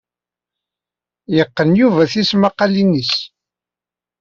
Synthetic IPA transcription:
jəqːənjuvæθismɑqːɑlinːis

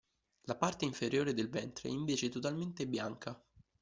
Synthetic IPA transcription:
lapart̪eiɱfeɾjoːɾed̪elvɛnt̪ɾḛiɱveːt͡ʃet̪ot̪alment̪ebjaŋkʰa

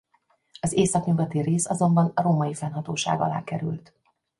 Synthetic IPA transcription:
ɒzeːsɒknyvɛt̪ireːsɒzo̞mbɒnɒɾoːmɒjifɛnɦɒt̪oːʃa̰ːɡɒ̰la̰ːkɛɾy̰lt̪

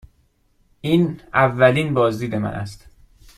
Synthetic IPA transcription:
ʔiːnævːæliːnbɒːzd̪iːd̪e̞mæ̰nʔæ̰st̪

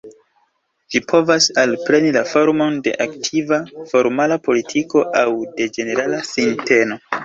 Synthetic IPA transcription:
d͡ʒipʰo̞vasalpɾe̞nilafo̞ɾmo̞nde̞̰ʔaktʰivafo̞ɾmalapo̞litʰiko̞ʔawde̞d͡ʒe̞ne̞ɾalasinte̞no

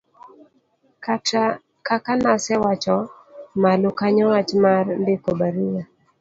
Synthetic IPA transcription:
ka | kakanasɛwat͡ʃɔ | malukaɲɔwat͡ʃmarndɪkɔbaɾuwa

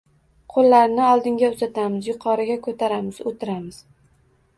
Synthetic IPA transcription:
qʰolːaɾnɪɒlˠd̪ɪŋɡʲaʊzat̪ʰamɪzjʊqʰɒɾɪɡʲakʰɵt̪ʰaɾamɪz̥ot̪ʰɪɾamɪz̥

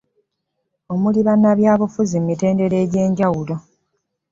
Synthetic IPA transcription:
o̞muliβanːaβjaːβufuzemite̞ːnde̞ɾe̞ːɟe̞ːɲɟawulo̞

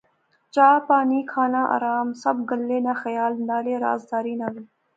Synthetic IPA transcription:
t͡ʃaːpɑːnikʰɑːnaʔa̰ɾɑːmsɐb̚ɡəlːenaxɐjɑːlnaːleɾɑ̰ːzd̪ɑːɾinaːli

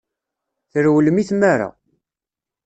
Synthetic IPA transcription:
θəɾwəlmiθmaɾa̰

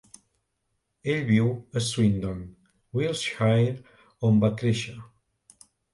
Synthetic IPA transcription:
eʎβiwəswind̪ɔ̃n | wilˠsʃajɾ | ombak̪ɾeʃa

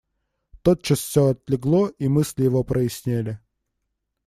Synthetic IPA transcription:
t̪ot̪̚t͡ɕːasfsʲoɐt̪lʲɪɡlˠoimɨsʲlʲjɪvopɾʔəɪsʲnʲælʲɪ

